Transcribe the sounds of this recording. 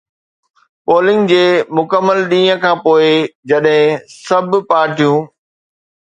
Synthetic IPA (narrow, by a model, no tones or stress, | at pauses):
poːlɪ̃ŋɡd͡ʑeːmʊkəmːəlɗĩːə̃kʰãːpoːɪd͡ʑɐɗɦɪ̃sɐbʱpaːɾʈijũː